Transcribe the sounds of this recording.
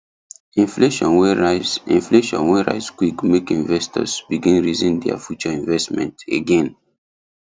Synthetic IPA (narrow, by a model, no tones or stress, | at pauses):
ĩnfleʃɔ̃nwɛazĩnfleʃɔ̰̃nwɛɹa̰ɪzkwikmekĩnvɛstɔ̰sbiɡĩnɹizĩndɛa̰fjut͡ʃɔĩnvɛstmɛ̰̃nteɡɛ̃n